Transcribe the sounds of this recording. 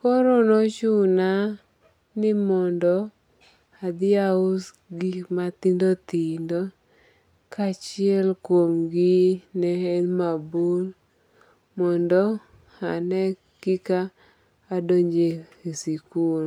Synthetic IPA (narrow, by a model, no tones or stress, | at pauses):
kɔɾɔnɔt͡ʃuna | nɪmɔndɔ | ad̪ɪaʊs | ɡimat̪ɪndot̪indɔ | kat͡ʃɪɛlkwomɡɪnɛɛnmabul | mɔndɔ | anɛ | kɪkaː | doɲd͡ʒeesiku